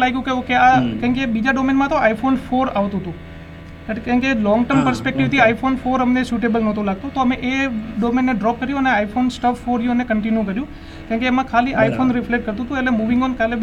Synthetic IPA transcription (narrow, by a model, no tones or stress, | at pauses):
laɡjũkeukeakaŋkebid͡ʒaɖomenmãt̪oaifʰonfʰoɾaʋt̪ũt̪ũ | əʈkãŋkelɔ̃ŋɡʈəɾmpəɾspek̚ʈiʋt̪ʰiaifʰonfʰoɾəmnesuʈebəlnət̪ʰõlaɡ̚t̪õt̪oəmẽʔeɖomenːeɖɾɔp̚kəɾjũəneaipʰonsʈəffoɾjũənekəɳʈinjũkəɾjũ | kãŋkeːmãkʰaliʔaipʰonɾɪfleʈ̚kəɾt̪ũt̪ũelemuʋɪ̃ŋɡɔnkale